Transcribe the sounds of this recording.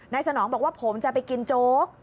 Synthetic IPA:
na˧jsa˧nɔː˩˦ŋmbɔː˨˩k̚waː˥˩pʰo˩˦mt͡ɕa˨˩pa˧jki˧nt͡ɕoː˦˥k̚

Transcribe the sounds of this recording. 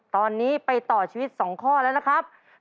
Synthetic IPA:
t̪ɔː˧nːiː˦˥pa˧jt̪ɔː˨˩t͡ɕʰiː˧wi˦˥t̪̚sɔː˩˦ŋkʰɔː˥˩lɛː˦˥wna˦˥kʰɾa˦˥p̚

